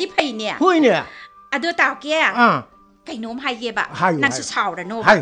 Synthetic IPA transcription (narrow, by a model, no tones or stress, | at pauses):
dipʰəjnia̰hujnia | adɯtawkea | kajnomɦajkeba̰hajnaŋsusʰawɾanohaj